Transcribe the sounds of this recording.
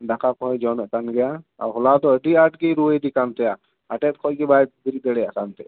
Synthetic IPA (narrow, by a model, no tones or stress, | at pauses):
d̪akʰapʰɔ̃jd͡ʒɔnɛʔkanɡɛjaa̰wɦɔlat̪ɔəʈiaʈkijɾuəjd̪ikant̪ɛja | aʈɛt̪̚ˀkʰɔʔkɛbajt̪̚bild̪ɛɽɛja̰ʔkant̪ɛ